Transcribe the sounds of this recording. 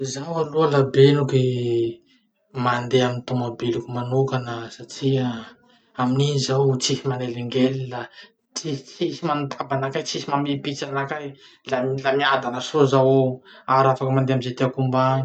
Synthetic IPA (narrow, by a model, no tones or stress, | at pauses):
zaalualabenuke | mand̪eamint̪umabelukumanokanəsaʈ͡ʂia | amininizawt͡sihimaneliŋɡelila | t͡sit͡sisimanut̪ʰabanakajt͡sisimamipit͡sanakaj | lalamiad̪anəsozawaɾafakəmand̪eamizet̪eakumbaɲi